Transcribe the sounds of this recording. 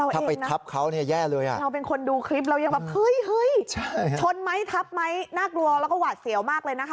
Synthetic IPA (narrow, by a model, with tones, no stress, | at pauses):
ɾa˧wʔʰa˧eː˧˩pa˧jtnʰ˦a˦˥p̚kʰa˦˥wni˥˩ɐjɛː˥˩lɤː˧jʔa̰˨˩ɾa˧wpe˧nkʰo˧nduː˧kʰɾi˦˥p̬̚ɾa˧wja˧ŋbɛː˨˩p̚hjhɤ˦˥˩jt͡ɕʰa˥˩jt͡ɕʰo˧nma˦˥jt̪ʰa˦˥p̚ma˦˥jnaː˥˩klu˧ɐlɛ˧˦˥kɔː˥˩waː˨˩t̪̚si˩˦əwmaː˥˩k̚lɤː˧jna˦˥kʰa˦˥